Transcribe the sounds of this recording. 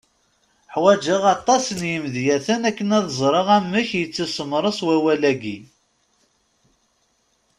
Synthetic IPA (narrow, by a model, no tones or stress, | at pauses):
ħwæd͡ʒəʁɑt̪ˤːɑsənjəmðjæθənækːənæðzˤɾˤəʁæmːəçjət͡sːisˤəmɾˤəswæwælæɡi